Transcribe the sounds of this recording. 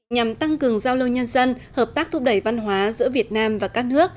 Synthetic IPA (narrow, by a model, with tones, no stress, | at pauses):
ɲa˨˩mt̪a˧ŋkɨ˨˩əŋzaː˧wlə˧wɲə˧nzə˧nhəː˨˩p̚t̪aː˦˥k̚t̪ʰu˦˥p̚ɗə˧˩jva˧nɦwaː˨˦zɨ̰˧˥əvi˨˩ət̚naː˧mvaː˨˩kaː˦˥k̚nɨ˦˥ək̚